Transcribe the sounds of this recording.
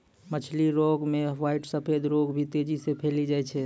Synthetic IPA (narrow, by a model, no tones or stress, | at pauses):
mət͡ʃʰliɾoɡmẽʋaɪʈsəpʰed̪ɾoɡbʱit̪ed͡ʒisepʰelid͡ʒaɛt͡ʃʰɛ